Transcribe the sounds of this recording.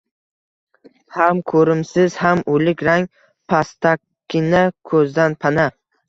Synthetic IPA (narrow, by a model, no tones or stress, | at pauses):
hamkʰɵɾɪmsɪz̥hamʔʊlɪkʲɾaŋ | pʰast̪ʰakʲʰː | ɪnakʰɵzd̪anpʰana